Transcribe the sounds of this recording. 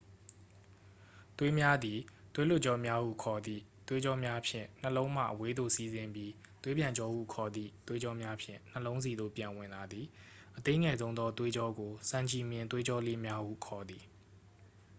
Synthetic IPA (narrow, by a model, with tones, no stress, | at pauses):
t̪we˦mja˦d̪i˨t̪we˦lʊ˦ʔt͡ɕɔ˦mja˦hṵ˦˨kʰɔ˨d̪ḭ˦˨t̪we˦d͡ʑɔ˦mja˦pʰjɪ̰̃˦˨n̥əlõ˦ʊ̃m̥a̰˦˨ʔəwe˦d̪o̰˦˨si˦zɪ̃˨mbji˦t̪we˦pjã˨ɲt͡ɕɔ˦hṵ˦˨kʰɔ˨d̪ḭ˦˨t̪we˦d͡ʑɔ˦mja˦pʰjɪ̰̃˦˨n̥əlõ˦ʊ̃ns̬i˨d̪o̰˦˨pjã˨wɪ̃˨nla˨d̪i˨ | ʔət̪ẽ˦ŋɛ˨zõ˦ʊ̃nd̪ɔ˦t̪we˦d͡ʑɔ˦ɡo˨sã˨ɲt͡ɕi˨mjɪ̃˨nt̪we˦d͡ʑɔ˦le˦mja˦hṵ˦˨kʰɔ˨d̪i˨